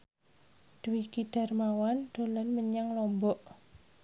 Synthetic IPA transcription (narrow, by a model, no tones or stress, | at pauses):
d̪̥əwikiɖ̥a̤rmawand̪̥o̤lɔnməɲaŋlɔmbɔʔ